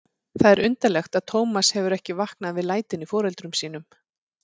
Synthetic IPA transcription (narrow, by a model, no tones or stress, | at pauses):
θaðɛɾʏnt̪alɛxt̪aðt̪ʰoːwmashɛvʏɾɛhcɪvahknaðvɪðlaːjt̪ɪnifɔːɾɛlt̪ɾʏmsiːn̪ʏm